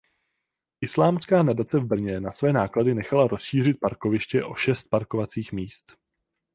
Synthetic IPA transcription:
ʔɪslaːmskaːnadat͡sɛvbr̩ɲɛnasvɛːnaːkladɪnɛxalaɾo̞sʃiːr̝ɪt̪̚paɾkovɪʃcɛʔo̞ʃɛst̪̚paɾko̞vat͡siːxmiːst̪

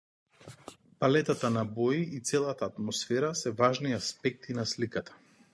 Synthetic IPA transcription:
palɛt̪at̪anabɔjiːt̪sɛlˠat̪aːt̪mɔsfɛɾasɛvaʒniaspɛk̚t̪ʰinaslikat̪ḁ

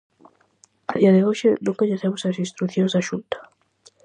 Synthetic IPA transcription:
aðiɐðeoʃɪnũŋkaʎeθɛmʊsɐsĩnst̪ɾuθjõŋzðaʃunt̪ɐ̥

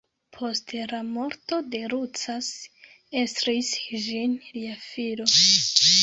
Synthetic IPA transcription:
pʰo̞stlamo̞ɾto̞de̞ɾut͡sas | estɾisʒinliafiɾo̞

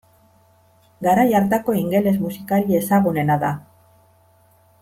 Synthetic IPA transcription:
ɡaɾajaɾt̪ako̞iŋɡe̞le̞zmusikalie̞saɣune̞naða

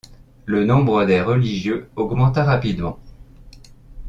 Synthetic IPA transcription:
lənɔ̃bʁəd̪ɛʁəliʒjøɔɡmɑ̃t̪aʁapid̪mɑ̃

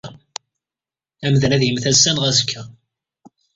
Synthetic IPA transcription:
æmðənæðjəmθæsːænʁæzkʰːæ

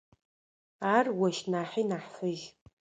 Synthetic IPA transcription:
aːrwɐʃnaːħinaħfɨʒʲ

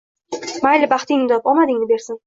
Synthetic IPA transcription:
majlɪbaχt̪ɪŋmɪd̪ɒpɒmad̪ɪŋnɪbe̞ɾsɪn

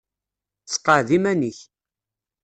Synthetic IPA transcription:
t͡sːqːəʕðimæniç

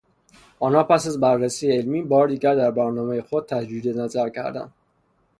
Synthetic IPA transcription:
ʔɒːnhɒːpæsæzbærːæsiːjeelmiːbɒːɾed̪iːɟæɾd̪æɾbæɾnɒːmejexod̪̥̚t̪ʰæd͡ʒɾiːd̪enæzæɾcʰæ̰ɾd̪æ̰nd̪̥

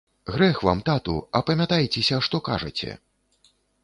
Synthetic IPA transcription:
ɣɾɛxva̰mt̪at̪ṵɐpɐmʲat̪ajt͡sʲɛsʲɐʂt̪ɔka̰ʐɐ̰t͡sʲɛ̰

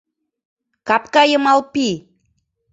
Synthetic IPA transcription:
kap̚kajəmalpi

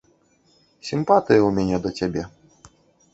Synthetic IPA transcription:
sʲimpat̪ɨjɛumʲɛnʲɛd̪ɔtʲabʲɛ

